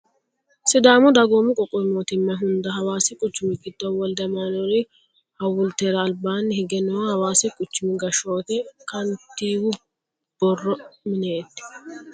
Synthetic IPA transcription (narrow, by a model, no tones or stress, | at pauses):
sɪd̪aːmʊd̪ɐɡoːmɪkʼɔkʼːɔmoːt̪ɪmːɐɦʊnd̪ɐɦɐwaːsɪkʼʊt͡ʃːʊmɪɡɪd̪ːɔwɔld̪ɐmanɔɾɪ | hɐwʊlt̪eːɾɐːlbaːnhɪɡɛnɔwhɐwaːsɛkʼʊt͡ʃːʊmɪɡɐʃo̞ːt̪ɛkɐnt̪ːiːwʊ | b̥ɔrːɔmɪneːt̪ːɪ̥